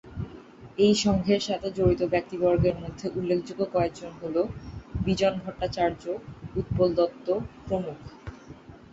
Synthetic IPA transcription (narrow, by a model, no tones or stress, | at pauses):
ejʃɔŋɡʱeɾʃat̪ʰed͡ʑoɾit̪obɛk̚t̪ibɔɾɡeɾmod̪ʱːeʔulːekʰd͡ʑuɡːokɔek̚d͡ʑonɦolobid͡ʑɔnbʱɔʈːat͡ɕaɾd͡ʑout̪̚pold̪ɔt̪ːokɾomukʰ